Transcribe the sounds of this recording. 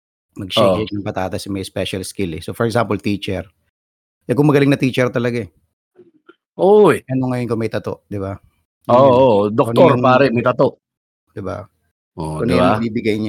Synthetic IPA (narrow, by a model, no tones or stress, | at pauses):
mɐɡ̚ʃɛd͡ʒ̚nɐŋpɐt̪aːt̪ɐsɪmɐjspɛʃɐlskɪlɛsofɔɹɛkɡsampolt̪iːt͡ʃɛɾ | ʔɛkʊŋmɐɡɐlɪŋnɐt̪iːt͡ʃɛɾt̪ɐlɐɡa | ʔojʔɐnoŋɐjonkʊŋmɐjt̪ɐt̪o̰ʔd̪ɪba | od̪okɐnoɾŋpaːɾɛmɐjt̪ɐt̪oʔ | d̪̥ɪba̰ | ʔoʊnjbiːbɪɡajɲa